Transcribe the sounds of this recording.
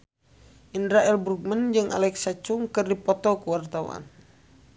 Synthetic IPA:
ʔindɾaʔɛlbɾuk̚mənd͡ʒɨŋʔa̰lɛksat͡ʃuŋkɨrdipɔt̪ɔkəwart̪aṵa̰n

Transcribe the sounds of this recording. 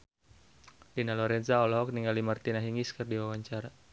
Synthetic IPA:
dinalɔɾɛnzaɔlɔɦɔk̚niŋɡalimart̪inaɦiŋiskɨrdiwawaɲt͡ʃaɾa

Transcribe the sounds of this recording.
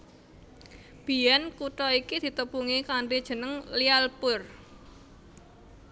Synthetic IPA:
b̥i̤jɛnkuʈɔikid̪̥i̤t̪əpuŋikaɳɖid̥ʒ̥ə̤nəŋlialpʊr

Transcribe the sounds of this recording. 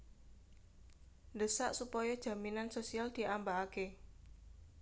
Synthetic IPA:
ndəsaʔsupɔjɔd̥ʒ̥a̤minansosiald̪̥i̤ʔambaːke

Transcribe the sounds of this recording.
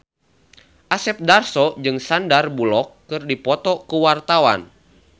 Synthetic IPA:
ʔasɛp̚darsɔd͡ʒɨŋsandarbulɔkːɨrdipɔt̪ɔkuwart̪awa̰n

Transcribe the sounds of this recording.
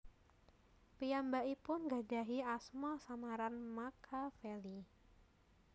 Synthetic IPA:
piambaipʊnɡad͡ʒaɦiasmɔsamaɾanmakʰafeli

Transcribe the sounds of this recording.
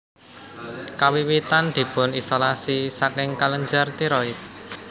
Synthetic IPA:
kawiwit̪and̪̥i̤pʊnisolasisakɪŋkaləɲd͡ʒart̪iɾɔɪt̪̚

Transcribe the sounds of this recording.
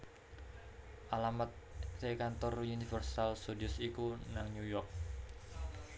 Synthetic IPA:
ʔalamat̪̚ | rekant̪ɔrunifərsalsudiʊsikunaŋnujɔrk̚

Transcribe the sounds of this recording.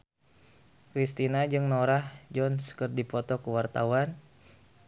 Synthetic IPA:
kɾist̪inad͡ʒɨŋnoɾahd͡ʒɔnskərdipɔt̪ɔkuwart̪a̰wan

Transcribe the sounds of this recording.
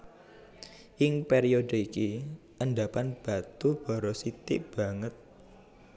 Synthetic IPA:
ʔɪŋpeɾiodəiki | ʔənɖapanb̥a̤t̪ub̥aɾosit̪ɪʔb̥ä̤ŋət̪̚

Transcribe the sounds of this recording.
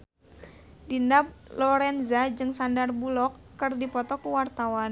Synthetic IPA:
dindap̚lɔɾɛnzad͡ʒɨŋsandarbulɔkːɨrdipɔt̪ɔkuwart̪awan

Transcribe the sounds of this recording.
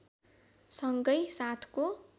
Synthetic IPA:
sʌŋɡʌjsat̪ʰko

